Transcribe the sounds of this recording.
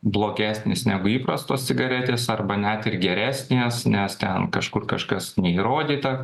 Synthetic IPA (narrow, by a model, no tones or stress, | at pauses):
blˠoːɡʲæːsʲnʲeːsnʲæːɡʊiːpɾɐst̪oːsʲt͡s̪ʲɪɡɐɾʲɛt̪ʲeːsɐrbɐnʲæt̪ɪrɡʲɛɾʲæːsʲnʲeːsnʲɛst̪ʲɛnkɐʃkʊrkɐʃkɐsnʲɛiːɾoːd̪ʲiːt̪ɐ